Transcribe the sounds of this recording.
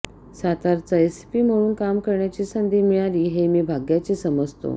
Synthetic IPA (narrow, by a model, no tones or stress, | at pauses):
sat̪aɾt͡səespiːm̤əɽuːnkamkəɾɳjat͡ɕiːsənd̪ʱiːmiɭaliːɦemiːbʱaɡjat͡ɕiːsəməd͡zʱt̪o̰